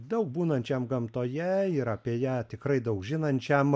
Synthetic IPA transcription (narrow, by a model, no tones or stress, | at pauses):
d̪ɐʊk̚buːnɐnʲt͡ʃʲɛmɡɐmt̪oːjɛɪɾɐpʲiɛjæːt̪ʲɪkɾɐɪd̪ɐʊkʒʲɪnɐnʲt͡ʃʲɛm